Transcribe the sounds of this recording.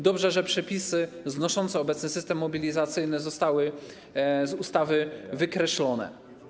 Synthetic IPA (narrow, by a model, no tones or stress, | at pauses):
d̪ɔbʐɛʐɛpʂɛpʲisɘ | znɔʂɔnt̪sɛɔbɛt̪snɘsɘst̪ɛmːɔbʲilʲizat̪sɘjnɛzɔst̪awɘ | zust̪avɘvɘkɾɛɕlɔnɛ̰